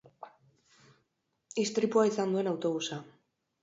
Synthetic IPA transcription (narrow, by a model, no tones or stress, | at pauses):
ist̪ɾipuaisand̪ue̞nawt̪o̞βusa